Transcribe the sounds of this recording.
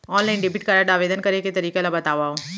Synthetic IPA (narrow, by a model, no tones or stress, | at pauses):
ɔːnlaːɪnɖebiʈkaɾaɖaːʋeːd̪ənkɐɾeket̪ɐɾiːkelabɐt̪aːʋaːo